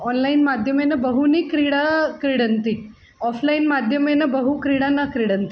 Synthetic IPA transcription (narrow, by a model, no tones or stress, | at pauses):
ɔnlainmad̪ʱjəmenəbəɦunikɾiɽakɾiɽənt̪i | ɔfʰlainmad̪ʱjəmenəbəɦukɾiɽanakɾiɽənt̪i